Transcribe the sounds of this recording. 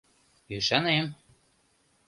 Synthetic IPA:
jøʃænem

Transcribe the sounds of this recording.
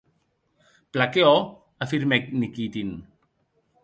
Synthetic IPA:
plakeɔ | afiɾmɛk̚nikit̪in

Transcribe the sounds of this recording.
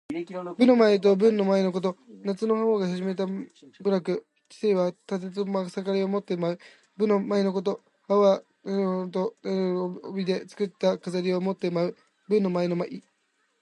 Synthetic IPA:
bɯ̟no̞maet̪̬o̞bɯ̟̃nːo̞maeno̞k̬o̞t̪o̞nat͡sɨno̞ɦaoɡahaʑime̞t̪̬a | bɯ̟ɾakɯ̟ | t͡ɕi̥se̞βat̪at̪̬et͡sɨmasakaɾʲio̞mo̞t̪ːemaɯ̟ | bɯ̟no̞maeno̞k̬o̞t̪̬o̞ | haoβa | t̪o | obʲid̪e̞t͡sɨ̥kɯ̟t̪ːakazaɾʲio̞mo̞t̪ːe̞maɯ̟ | bɯ̃nːo̞maeno̞maʔi

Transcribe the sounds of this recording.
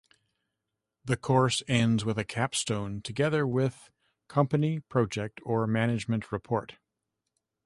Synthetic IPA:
ðɨkʰɔɹsɛ̃ndzwɨðɨkʰæpstõʊ̃ntʰɨɡɛðə˞wɪð̥ | kʰʌ̃mpɨnipʰɹ̥ɑʊd͡ʒɛk̚tʰə˞mæñɨd͡ʒmɨ̃nʔɹɨpʰɔɹt̚

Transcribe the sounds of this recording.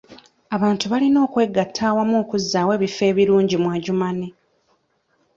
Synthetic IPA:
aβaːntuβalino̞ːkwe̞ɡːatʰːaːwamoːkuzːaːwe̞ːβife̞ːβiɾuːɲɟimwaɟumani

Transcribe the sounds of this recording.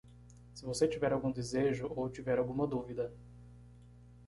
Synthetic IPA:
sɪvoset͡ʃivɛɾawɡũd̪ezeʒʊʔowt͡ʃivɛɾawɡũmɐd̪uvid̪ɐ

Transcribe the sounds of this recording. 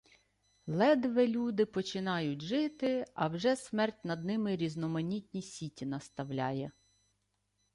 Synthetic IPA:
lˠɛd̪ʋɛlʲud̪ɪpɔt͡ʃɪnɑjʊtʲʒɪt̪ɪɐ̰wʒɛsmɛrtʲnɐd̪nɪmɪɾʲiznɔmɐnʲitʲnʲisʲitʲinɐst̪ɐwlʲa̰jɛ

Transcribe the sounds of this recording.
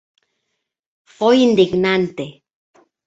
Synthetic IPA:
foind̪iɡnant̪e

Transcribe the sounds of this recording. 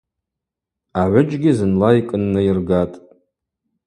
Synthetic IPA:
aʕʷʊd͡ʒʼɡʲɪzɨnlaikʼɨnːɨɪrɡatʼ

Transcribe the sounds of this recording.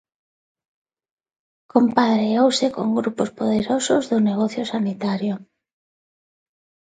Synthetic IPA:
kompaðɾeowsɪko̰ŋɡɾupospoð̞eɾosʊzðʊneɣɔθjʊsanit̪aɾjʊ

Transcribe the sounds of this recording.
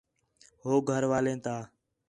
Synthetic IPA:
ɦoːɡʱəɾʋaːlẽːt̪aː

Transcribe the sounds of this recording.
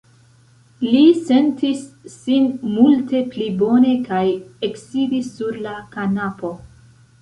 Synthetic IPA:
lise̞ntisːinmulte̞plibo̞ne̞kaje̞ksidisːuɾlakanapo̞

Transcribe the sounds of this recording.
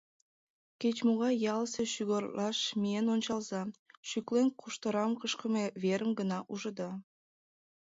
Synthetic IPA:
ket͡ɕmuɣɑjɑlseʃyɣə̆rlɑʃmienont͡ɕɑlzɑʃyklenkuʃt̪ɤ̆ɾɑmkəʃkə̆meβeɾəmɡənɑʔuʒə̆d̪ɑ

